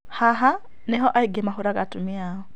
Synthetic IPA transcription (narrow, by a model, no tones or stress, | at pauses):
haɦa | nɛɦɔʔaiɡɛmaxuɾakatumiaɔ